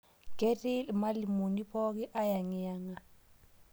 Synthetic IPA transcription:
ɡe˦tʼi˦lma˦li˨mo˨ni˦pʰɔ˦k̬ɛ˦ʔa˦ja˨ŋɛ˨ja˦ŋa˨

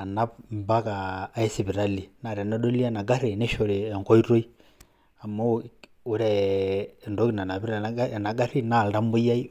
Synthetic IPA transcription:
a˨na˦pmba˦kaː˨˦ɛ˦si˨bi˨ɾa˦li˨na˨ɾɛ˨nɔ˦ɗo˦li˦a˨na˨ɡa˦ɾe˨ne˦ʃo˨ɾeː˨ŋkɔ˦i˦ɾo˦i˦ | a˨ma˦˨ | o˦ɾɛ˨ | ndo˦ki˨na˨na˨bi˦ɾa˨na˨˦˨na˨ɡa˦ɾi˦na˦˨lda˦mbo˦ja˦i˦

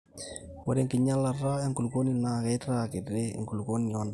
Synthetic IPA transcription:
wɔ˦ɾe˦ŋkɪ˨ɲa˦la˨ra˦ɛ˦ŋku˨lko˦ni˨na˨kɛ˦ta˦kɪ˨dɾḛ˦˨ŋku˨lko˦ni˨ɔ˦nda˨

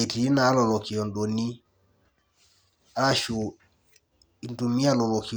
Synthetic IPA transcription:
e˨ti˨i˦na˨˦lɔ˨lɔ˨ki˨ɔ˨ndɔ˨ni˦ | a˦ɾa˦ʃu˨ | i˨˦ntu˨mi˦a˦˨lɔ˨lɔ˨ki˨

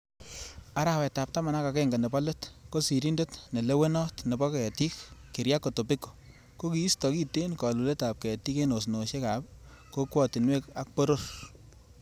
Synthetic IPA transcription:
a˦ɾa˨wɛ˨ta˨p̚ta˦ma˨na˦ka˨kɛŋɡa˨ne˨bɔ˦le˦tko˦si˨ɾi˦nde˦tne˨le˦we˦nɔ˦tne˨bɔ˦kɛ˨ti˦kːi˨ɾja˦ko˨to˨pi˦ko̥˨ | ko˦ki˨i˦stɔ˨ki˦te˦nkɔ˨lu˨le˦ta˨p̚kɛ˨ti˦ke˦no˨s̬no˨ʃe˦ka˨pko˦kwɔ˨ti˨nwe˦ka˦k̚po˦ɾo˦ɾ

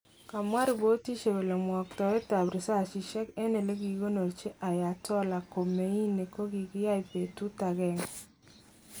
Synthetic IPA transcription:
ka˨mwa˦ɾi˨bo˨˦ti˦ʃe˨we˨le˨mwɔ˨k̚tɔ˨e˦ta˨bɾi˨sa˦˨ʃi˨ʃɛ˦kɛ˦nɛ˨le˦ɡi˨ɡo˦no˨ɾt͡ʃe˦ʔa˨ja˨tɔ˦la˨ko˨me˨˦i˦ne˨ko˦ɡi˨kɪ˦ja˦jpe˨tu˦ta˨ɡɛ˦˨ŋ

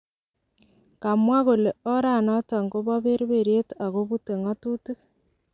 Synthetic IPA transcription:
ka˨mwa˦ɣo˨le˨ɔ˦ɾa˨nɔ˦ta˨ŋɡo˦βa˦βe˦ɾβe˨ɾje˦ta˨ɣo˦βu˦te˨ŋɔ˦tu˦ti˦k

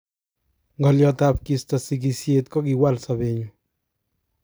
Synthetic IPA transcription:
ŋɡɔ˨ljɔtap̚ki˨stɔ˨si˨ki˨sjetkɔ˦ki˨wa˦lsabe˨ɲu

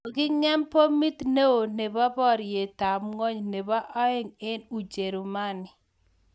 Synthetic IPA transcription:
ɡɪ˦ŋɛ˦mpo˦mi˦t̪ne˦o˨ne˨ba˦bɔ˦˨ɾje˨ta˨mŋɔ˦ɲne˨ba˦ʔɔ˦ɪ˦ŋe˦nu˨d͡ʒe˨ɾu˨ma˦nɪ˨

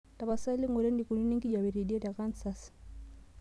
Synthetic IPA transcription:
ta˨βa˨sa˦li˦ŋu˨ɾɛ˦ndi˨ku˨ni˦ni˦ŋɡi˦ɟa˨βi˨ɾi˨di˦ɛ˦da˨ka˦nsa˦s

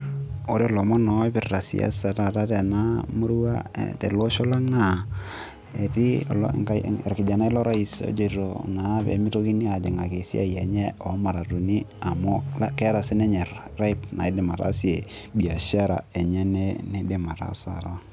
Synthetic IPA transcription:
o˦ɾe˦ɔ˨lɔ˨mɔ˦nɔ˨˦pɪ˨rta˨sḭ˨a̰˦sa˨ta˨ta˦tɛ˨na˦mo˦ɾu˦a̰˦tḛ˨lwo˦ʃo˦la˦ŋna˨ | e˨tḭ˦˨ŋka˦e˨ɾkɪ˨d͡ʒa˨na˦i˦lɔ˦ɾa˦i˨so̰˦d͡ʒe˦˨ɾo̰˨na˨˦pḛ˨mi˦to˦ki˦ni˦a˨d͡ʒɪ˨ŋa˨ke˨sḭ˦ʔa̰˦jɛ˨ɲɛ˦ɔ˨˦ma˨ɾa˨tu˨ni˦a˨mo˦lkɛ˦ta˨sɪ˦nɛ˦ɲɛ˨rra˦i˦pna˨ɪ˦dɪ˨ma˨ta̰˦si˦e˨ | bi˨a˨ʃa˦ɾa̰˨e˨ɲɛ˦nɛ˦ne˦dɪ˦ma˨ta̰˨sa̰˨ɾo˦

